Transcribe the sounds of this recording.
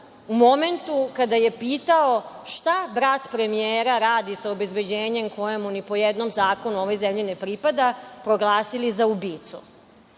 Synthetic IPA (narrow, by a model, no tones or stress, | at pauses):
umo̞me̞nt̪ukad̪ajepiːt̪aoʃt̪abɾat̪pɾe̞mijeːɾaɾaːd̪isaobe̞zbed͡ʑeːɲe̞mko̞jemunipo̞jed̪nomzaːko̞nuoʋo̞jzemʎinepɾipad̪apɾo̞ɡlˠaːsilizaubiːt̪sṵ